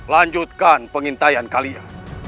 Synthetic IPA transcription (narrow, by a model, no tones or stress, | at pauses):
laɲd͡ʒut̪̚kanpəŋint̪ajankalia